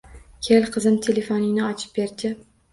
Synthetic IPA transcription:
kʲʰelqʰɨzɪmt̪ʰele̞fonɪnɪɒt͡ʃʰɪ̥p̚beɾd̪ɪ

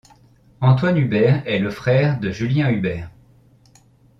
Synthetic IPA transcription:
ɑ̃t̪wanybɛʁɛləfχɛːʁd̪əʒyljɛ̃ybɛːʁ

